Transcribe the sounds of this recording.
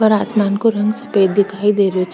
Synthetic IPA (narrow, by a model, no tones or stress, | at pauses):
bʌɾasmankoɾʌŋɡsʌped̪ikʰajd̪eɾjot͡sʰ